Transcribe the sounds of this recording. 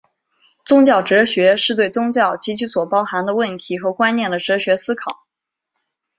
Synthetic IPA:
t͡sʊ˥ŋt͡ɕjɑ˥˩ʊʈ͡ʂɤ˧˥ɕɥɛ˧˥ʂɻ̩˥˧t̪we˥˩ɪt͡sʊ˥ŋt͡ɕjɑ˥˩ʊt͡ɕi˧˥t͡ɕʰy˧˥swɔ˨˩pɑ˥ʊxa˧˥nd̪ə˧wə˥˩nt̪ʰi˧˥xɤ˧˥kwa˥nnjɛ˥˩nd̪ə˩ʈ͡ʂɤ˧˥ɕɥɛ˧˥sɹ̩˥kʰɑ˨˩˦

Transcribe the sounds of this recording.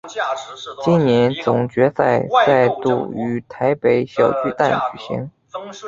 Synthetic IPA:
t͡ɕi˥nnjɛ˧˥nt͡sʊ˨˩ŋt͡ɕɥɛ˧˥sa˥˧ɪt͡sa˥˧ɪt̪ṵ˥˩y˧˥t̪ʰa˧˥ɪpe˧˥ɪɕjɑ˨˩ʊt͡ɕy˥˧t̪a˥˩nt͡ɕy˨˩ɕḭ˧˥ŋ

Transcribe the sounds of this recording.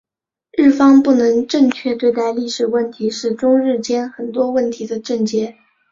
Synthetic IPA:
ɻɻ̩˥˩fɑ˥ŋpu˥˩nɤ˧˥ŋʈ͡ʂɤ˥˧ŋt͡ɕʰɥɛ˥˧t̪we˥˧ɪt̪a˥˧ɪli˥˩ʂɻ̩˨˩wə˥˩nt̪ʰi˧˥ʂɻ̩˥˩ʈ͡ʂʊ˥ŋɻɻ̩˥˩t͡ɕjɛ˥nxə˨˩nt̪wɔ˥wə˥˩nt̪ʰi˧˥d̪ə˧ʈ͡ʂɤ˥˩ŋt͡ɕjɛ˥

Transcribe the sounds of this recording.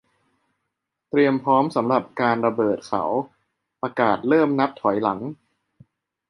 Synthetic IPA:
t̪ɾi˧əmpʰɾɔː˦˥msa˩˦mɾa˨˩p̚kaː˧nɾa˧bɤː˨˩t̪̚kʰa̰˩˦w | pɾa˧kaː˨˩t̪̚ɾɤː˥˩mna˦˥p̚t̪ʰɔ˩˦jla˩˦ŋ

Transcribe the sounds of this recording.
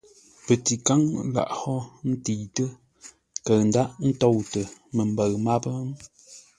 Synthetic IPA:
pə˨ti˨ka˦ŋla̰˨ʔhɔ˦n̩˦ti˨tə˦ | kə˨ɰn̩˦da˦ʔn̩˦tɔ˦˨wtə˨mə˨m˨bə˨ɰma˦pə˦

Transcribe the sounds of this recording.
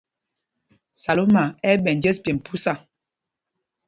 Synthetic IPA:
sa˨lo˦ma˨ɛ˦ɓɛ˨nd͡ʒɛ˦spjɛ˨m˨pʰu˦sa˨

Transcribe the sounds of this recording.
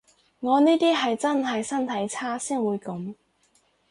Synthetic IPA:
ŋɔː˨˧niː˥t̪iː˥ɦɐ˨jt͡sɐ˥nɦɐ˨jsɐ˥nt̪ʰɐ˨˥jt͡sʰaː˥siː˥nwuː˨˧jkɐ˨˧˥m

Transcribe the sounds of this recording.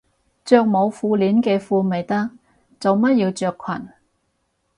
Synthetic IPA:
t͡ʃœː˧k̚mo˨˧wfuː˧liː˨˥nkɛː˧fuː˧me˨jt̪ɐ˥k̚ | t͡sɐ˨wmɐ˥t̚jiː˧wt͡ʃœː˧kʷʰɐ˨˩n

